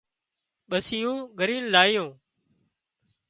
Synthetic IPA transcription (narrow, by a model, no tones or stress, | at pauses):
ɓəsɪjõːɡəɾĩːnlaːɪjõː